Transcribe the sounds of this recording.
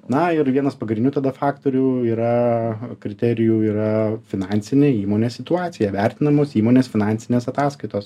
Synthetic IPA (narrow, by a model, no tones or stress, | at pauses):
nɐɪɾʋʲiɛnɐspɐɡɾʲɪnʲʊt̪ɐd̪ɐfɑːkt̪oːɾʲuiːɾɐkɾʲɪt̪ʲɛɾʲɪjuːiːɾɐfʲɪnɑːnʲsʲɪnʲeiːmoːnʲeːssʲɪt̪ʊɑːt̪sʲɪjɛʋʲæɾʲt̪ʲɪnɐmoːsiːmoːnʲeːsfʲɪnɑnʲsʲɪnʲeːsɐt̪ɑːskɐɪt̪oːs